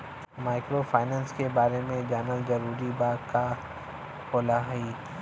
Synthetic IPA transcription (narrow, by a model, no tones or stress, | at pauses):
maːɪkɾofʰaːɪnɛ̃ːnskebaːɾemẽd͡ʒaːnəlzɐɾuːɾibaːka | koːlaɦɛiː